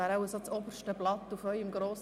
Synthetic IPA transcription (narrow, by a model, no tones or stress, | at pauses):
æːɾaʊəsot͡sobəɾʃtəblɑt̪ːufœʏɪmɡɾoːs